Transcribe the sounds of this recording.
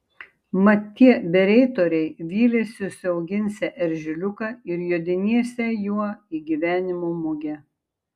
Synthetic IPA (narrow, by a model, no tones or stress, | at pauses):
mɐt̪ʲːiɛbʲɛɾʲɛɪt̪oːɾʲɛɪʋʲiːlʲɛsʲɪsʲɐʊɡʲɪnʲsʲɛʔɛɾʲʒʲɪlʲʊkɐɪɾjuːd̪ʲɪnʲiɛsʲɛjuɔiːɡʲiːʋʲæːnʲɪmuːmʊɡʲɛ